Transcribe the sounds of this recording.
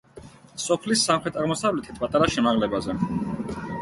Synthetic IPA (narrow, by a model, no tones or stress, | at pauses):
sɔpʰlisːamχɾɛt̪ʰaʁmɔsavlɛt̪ʰit̪ʰpʼat̪ʼaɾaʃɛmaʁlɛbazɛ